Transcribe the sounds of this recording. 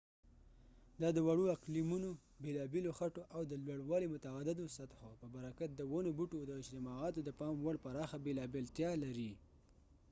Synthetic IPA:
d̪ɑd̪əwaɽuaklimuno | belɑbeloxaʈoʔawd̪əlwaɽwɑlemʊt̪aad̪ɪd̪osat̪xopəbaɾakat̪̚d̪əwonobuʈod̪əɪd͡ʒt̪ɪmɑɑt̪od̪əpɑmwaɽpaɾɑxabelɑbelt̪jɑlaɾi

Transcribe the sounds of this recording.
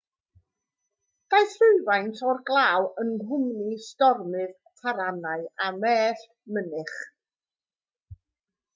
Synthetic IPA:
d̥ajθrʊɨvajntʰɔrɡlˠaːwənɦʊmnistɔrmɨð | tʰaɾanaɨamɛːɬ | mənɪχ

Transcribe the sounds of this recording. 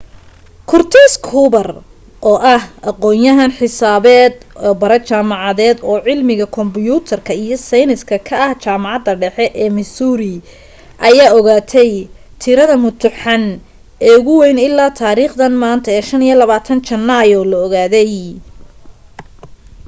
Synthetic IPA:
kʰʊrt̪ʰɪskʰuːbɐr | ʔɔːʔɐhʔɐqɔːjɐɦɐnħɪsaːβɛːd̪ːbɐɾɛt͡ʃaːmɑʕɑðɛːd̪ɔːʕɪlmɪɣɐkʰɔmbʊjuːt̪ʰɐrkʰɐijɔsɐjnɪskʰɐkʰɐɐht͡ʃaːmɑʕɑd̪ɐɖɛħɛʔɛːmɪsuːɾɪ | ʔɐjaːɔɣaːt̪ʰɛj | t̪ʰɪɾɐðɐmʊt̪ʰʊħɑn | ɛːʊɣʊwɛjnɪlːaːt̪ʰaːɾiːχd̪ɐnmaːnt̪ʰɐɛːʃɐnijɔlɐβaːt̪ʰɐnt͡ʃɐnːajɔlɔɔɣaːðɛj

